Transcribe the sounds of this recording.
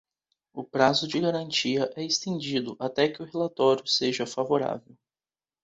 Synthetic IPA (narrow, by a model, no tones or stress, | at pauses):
ʊpɾazʊd͡ʒɪɡaɾɐ̃nt͡ʃiɐʔɛɪst̪ẽnd͡ʒid̪ʊʔat̪ɛkɪʊɦelat̪ɔɾjʊseʒɐfavoɾa̰vew